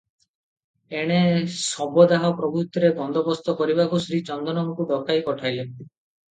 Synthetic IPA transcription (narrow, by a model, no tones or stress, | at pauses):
eɽ̃esɔbɔd̪aɦɔpɾɔbut̪ɾeɡɔnd̪ɔbɔst̪ɔkɔɾibakusɾit͡ʃɔnd̪ʱɔnɔŋɔkud̪ɔkajkɔʈʰajle